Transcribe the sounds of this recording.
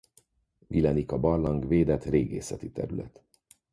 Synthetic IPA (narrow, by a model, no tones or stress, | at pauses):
vilɛnikɒbɒrlɒŋɡveːd̪ɛt̪reːɡḛːsɛt̪it̪ɛ̰ɾylɛ̰t̪